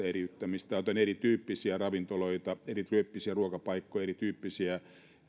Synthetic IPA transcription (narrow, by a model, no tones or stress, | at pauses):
eriyt̪ːæmist̪æot̪enerit̪yːpːisiærɑʋint̪oloit̪ɑerit̪ryøpːisiæruokɑpɑikːojɑeɾrit̪yːpːisiæ